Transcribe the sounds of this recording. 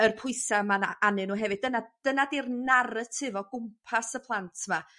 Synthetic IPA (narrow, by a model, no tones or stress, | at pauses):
ərpʰʊɨsamanaanɨnuːɦɛvɨd̚dənad̥ənadirnaɾətʰɨvɔɡ̥ʊmpʰasəpʰlˠantʰma